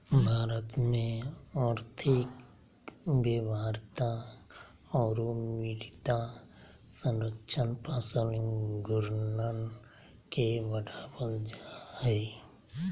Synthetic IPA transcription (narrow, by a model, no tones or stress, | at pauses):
bʱaːɾət̪mẽaːɾt̪ʰik | beːbaɾt̪a | ɔːɾumiɾit̪a | sə̃nɾəkʃʰənpasənɡʊɾnən | keʋəɖabəld͡ʒaɦɛ